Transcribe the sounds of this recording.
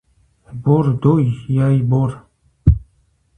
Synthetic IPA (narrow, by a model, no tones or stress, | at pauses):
boɾd̪ojjajboɾ